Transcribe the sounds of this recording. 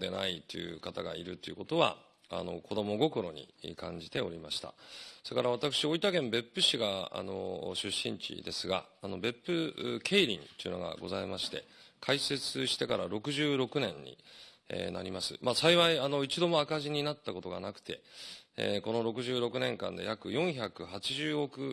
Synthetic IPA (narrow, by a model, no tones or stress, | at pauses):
d̪e̞na̰it̪ːojɯ̟kat̪aɡaiɾɯ̟t̪ːojɯ̟ko̞t̪o̞βa̰ | a̰no̞̰kʰo̞d̪o̞mo̞ɡo̞ko̞ɾo̞ɲ̟ḭkãɲ̟d͡ʑit̪e̞o̞ɾʲimaɕi̥t̪a̰soekaɾaβ̞at̪akɯ̟ɕio̞it̪aɡẽ̞mbe̞pːɯ̟ɕiɡaa̰no̞̰ɕɨɕːḭ̃ɲt͡ɕḭd̪e̞sɨɡa̰ːno̞be̞pːɯ̟kʰe̞ːɾʲĩnt̪oiɯ̟no̞̰ɡa̰ɡo̞zaimaɕi̥t̪e̞̰kʰaise̞t͡sɨɕi̥t̪e̞kaɾaɾo̞kɯ̟ʑɨːɾo̞kɯ̟nẽ̞ɲɲːḭ | ḛna̰ɾʲimasɨmasaiβaiano̞it͡ɕid̪o̞mo̞akaʑiɲ̟inat̪ːako̞t̪o̞ɡanakɯ̟̥t̪e̞̰ḛko̞no̞ɾo̞kɯ̟ʑɨːɾo̞kɯ̟nẽ̞ŋkã̰nd̪e̞̰jakɯ̟jõ̞ɰ̃çakɯ̟hat͡ɕiʑɨːo̞kɯ̟